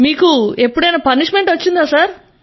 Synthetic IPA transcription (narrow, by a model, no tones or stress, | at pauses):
miːkue̞pːuɽɐjnɐpɐniʂme̞ɳʈʋɐt͡ʃːind̪aːsaːɾ